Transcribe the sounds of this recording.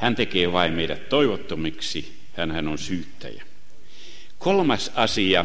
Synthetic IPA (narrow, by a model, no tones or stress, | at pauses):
hænt̪ekeːʋɑimmeiɾæt̪toiʋot̪ːomiksi | hænhænonsyːt̪ːæ̰jæ | kolmɑsɑsiɑ